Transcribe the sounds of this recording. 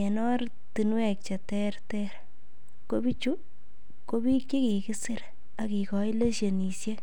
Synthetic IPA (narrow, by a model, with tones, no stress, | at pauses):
ɛ˨nɔ˦ɾ | ti˨nwɛ˨k̚t͡ʃe˨tɛ˦rtɛɾ | ko˦bi˦t͡ʃu˦ | ko˦bi˦kt͡ʃi˦ki˨kɪ˦sɪ˦ɾ | a˨ki˨kɔ˨jle˦ʃe˨ni˨sje˦